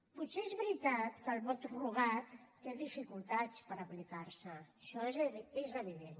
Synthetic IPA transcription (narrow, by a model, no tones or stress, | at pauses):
put̪seezβɾit̪at̪kəlˠβɔt̪ruɣat̪ːeðifikulˠt̪at͡spəɾəplikaɾsəʃɔezezəβiðen